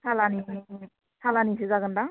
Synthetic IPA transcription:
sʰalani | sʰalanisɯzaɡɯnda

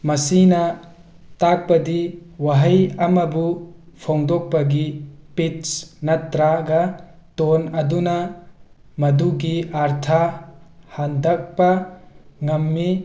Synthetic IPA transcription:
mɐsinɐ | tak̚pɐd̪iwɐɦɐjɐmɐbupʰɔŋd̪ɔk̚pɐɡipitsnɐt̪ɾaɡɐ | t̪onɐd̪unɐ | mɐd̪uɡiaɾt̪ʰa | hand̪ɐk̚pɐ | ŋɐmːi

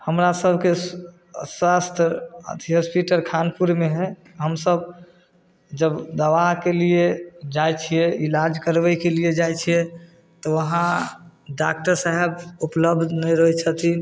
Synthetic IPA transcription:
həmɾasəbʱke | swast̪ʰə̰t̪ʰiɦəspiʈəɾkʰanpuɾmeɦɛ | ɦəmsəb | d͡ʒəbd̪əʋaɦkelijed͡ʒajt͡ʃʰijɛilad͡ʒkəɾbɛjkelied͡ʒajt͡ʃʰijɛ | t̪ɔʋəɦãɖak̚ʈəɾsaɦɛbupləbd̪ʱnəjɾəɦɛt͡ʃʰət̪i

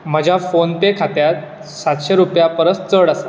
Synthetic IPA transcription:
məd͡ʑʱjafonpekʰat̪jat̪̚ | sat̪ɕeɾupjapəɾəst͡səɽasa

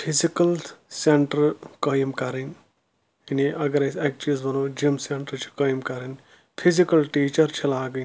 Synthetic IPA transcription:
pʰizikɐlseɳʈɐɾkɐjmkɐɾin | iniʔɐɡɐɾɐsek̚t͡ʃizbɐnoːd͡ʒimseɳʈɐɾt͡ʃʰi̥kɐːjmkɐɾin | pʰizikɐlʈiːt͡ʃɐɾt͡ʃʰilaːɡɐ

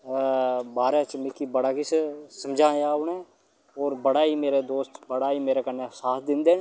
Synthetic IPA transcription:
baːɾẽːt͡ʃmɪkibəɽaːkissəmd͡ʒãːjaːʊɳɛ̃ː | ɔːɾbəɽaːiːmeːɾeːd̪oːst̪bəɽaːiːmeːɾeːkəneːsaːt̪ʰd̪ɪnd̪eːnː

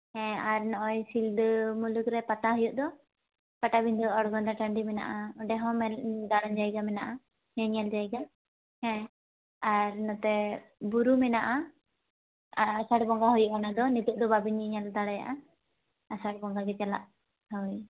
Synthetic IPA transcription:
hɛ̃aɾnɔʔɔ̃jsild̪mulukɾɛpat̪aɦɔjuʔ̚d̪ɔ | paʈabiɲd̪ɔɔɽɡɔnd̪aʈəɳɖimɛna̰ʔaɔɖɛɦɔ̃mɛld̪aɽɔɲd͡ʒajɡamɛnaʔa | nɛɲald͡ʒajɡa | hɛ̃ | aɾnɔt̪ɛbuɾumɛnaʔa | saɽbɔŋɡaɦɔjuʔanad̪ɔnɛt̪uʔ̚d̪ɔbabiɲɛɲald̪aɽɛja̰ʔaː | saɽbɔŋɡaɡɛt͡ʃɛla̰ʔ | ɦɔj

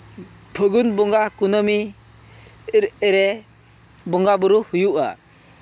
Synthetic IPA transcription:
pʰɯɡunbɔŋɡakunɔmi | ɾɾe | bɔŋɡabɯɾuhujuʔa̰

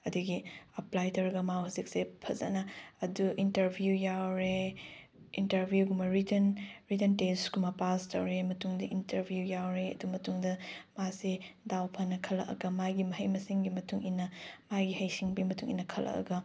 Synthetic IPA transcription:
ɐduɡiɐplajtɐwɾɐɡɐmahɐzik̚sepʰɐzɐ̰nɐɐduʔintɐɾbʱjujawɾe | intɐɾbʱjuɡumɐɾitenɾitentesɡumɐpastɐwɾemɐtuŋdɐʔintɐɾbʱjujawɾeɐ̰dumɐtuŋdɐmasedawpʰɐnɐkʰɐlɐ̰kɐ̰ɡɐmajɡimɐɦɐjmɐsiŋɡimɐtuŋinːɐmajɡihɐjsiŋbimɐtuŋḭnːɐkʰɐlʔɐ̰kɐ̰ɡɐ

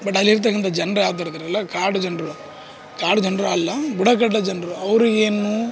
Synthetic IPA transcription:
bɐʈːɐlːiɾt̪̬ɐk̬ːɐnt̪ɐd͡ʒɐnɾɐjaːt̪̬ɐɾt̪iːɾɐlːɐkaːɽud͡ʒɐnɖɾu | kaːɖud͡ʒɐnɾuɐlːɐbuɽɐk̬ɐʈːɐd͡ʒɐnɾuɐʋɾueːnːu

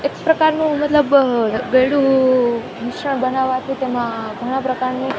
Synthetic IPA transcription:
ekpɾəkaɾnũmət̪ləbɡəjɽu | nɪkʂəɳ̃bənaʋat̪ʰit̪emãɡʱəɽ̃ãpɾəkaɾni

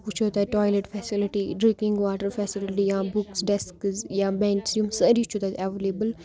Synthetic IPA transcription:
kut͡ʃʰoːt̪aːʈɔːjleʈfɛːsɪlɪʈiɖɾĩkĩŋɡʋaːʈəɾfʰɛːsɪlɪʈijãːbuksɖɛskzjãːbɛ̃ːɳʈsũmsəɾi̥t͡ʃʰot̪aːɛʋeleːbəl

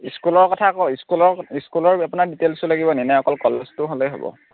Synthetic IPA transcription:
iskulɔɹkɔtʰakɔiskulɔɹiskulɔɹapunaɹditelsʊlaɡibɔninɛɔkɔlkɔleztʊɦolojɦo̰bɔ̰

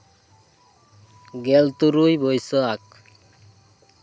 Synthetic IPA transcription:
ɡɛlt̪uɾujbɔjsɔak̚

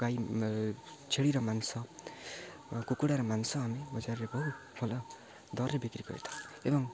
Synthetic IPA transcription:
ɡaj | t͡sʰeɽiɾʌmansʌ | kukuɽaɾʌmansʌamibʌd͡zaɾɾebʌw | bʰʱʌlʌ | d̪ʌrebikɾikʌ̰ḛt̪ʰḁebʌŋ

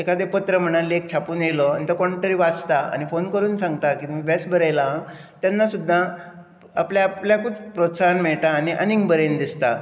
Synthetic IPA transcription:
ekad̪epət̪ɾəm̤əɽ̃alːek̚t͡ɕʰapuːnjelɔanit̪əkɔɳʈ̪əɾiʋat͡st̪aa̰ñifonkəɾuːnsãŋɡt̪akit̪umibɛsbʱəɾajla | t̪janːasud̪ʱːa | apljaːpljakut͡spɾosaanmɛɭt̪aːñiʔəniŋɡbəɾend̪ist̪a

